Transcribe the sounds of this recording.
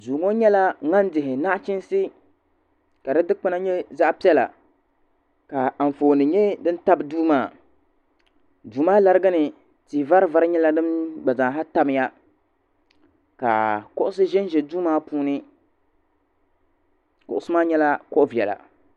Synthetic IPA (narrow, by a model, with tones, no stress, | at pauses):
duː˨ŋo˦ɲɛ˦la˦ŋa˦n˦dɪ˨ɦɪ˨na˦ʔt͡ʃɪ˦nsɨ˦ | ka˨dɨ˦dɨ˦k͡pɨ˦na˦ɲɛ˦za˦ʔpi˦ɛ˦la̰˨ | ka˨ɱ˨foː˨nɨ˨ɲɛ˦dɨ˦n˦ta˦bɨ˨duː˦maː˦˨ | duː˨maː˦la˦ɾɨ˦ɡa˦nɨ˨ | tiː˨va˦ɾɨ˦va˦ɾɨ˦ɲɛ˦la˦nɨ˦mɡ͡ba˨za˨ŋ˨ɦa˦ta˦m˦ja˦ | ka̰˨kʊ˦ʔʊ˦sɨ˦ʒɛ˦nʒɛ˨duː˦maː˦puː˦nɨ˦ | kʊ̰˦˨ʔʊ˦sɨ˦maː˦ɲɛ˦la˦kɔ˦ʔʊ˦vi˨ɛ˨la̰˨